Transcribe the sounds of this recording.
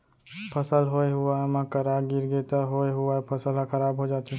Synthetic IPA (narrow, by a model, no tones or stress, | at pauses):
pʰəsəlɦoeɦʊamãkəɾaɡiɾɡet̪əɦoeɦuapʰəsəlmãkʰəɾaːbɦod͡ʒaːt̪i